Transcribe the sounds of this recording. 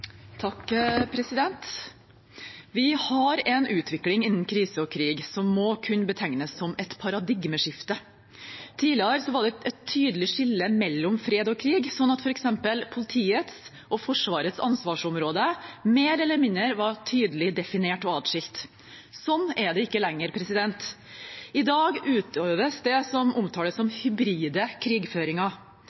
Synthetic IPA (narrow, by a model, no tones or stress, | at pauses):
t̪ʰɑkpʰɾɛsɪd̪ɛnt̪ | ʋɪhɑɾɛnʉːt̪ʰʋɪklɪŋɪnːn̩kʰɾiːsəɔkʰɾiːɡsɔmːɔkʰʉnːbət̪ʰæŋnəsːɔmɛt̪pʰɑɾɑd̪ɪɡməʂɪft̪ə | t̪ʰiːlɪəɾsɔʋɑɖɛɛt̪ʰːyːd̪əlɪʂɪlːəmɛlːɔmfɾeːd̪ɔkʰɾiːɡsɔnːɑt̪fɔɾɛksɛmpəlpʰʊlɪt̪ʰiːət̪s | ʔɔfɔʂʋɑːɾət̪sɑ̰nsʋɑːʂɔmɾoːd̪əmeːɾɛlːəɾmɪnəɾʋɑʈʰyːd̪əlɪd̪ɛfɪneːʈɔɑːd̪ʂɪlt̪ | sɔnːɛɖ̪ɛɪkːəlɛŋːəɾpʰɾɛsɪd̪ɛnt̪ | ɪd̪ɑːɡʉːt̪ʰøːʋəsd̪ɛsɔmɔmt̪ʰɑːləsːɔmhʏbɾiːd̪əkʰɾiːɡføːɾɪŋɑ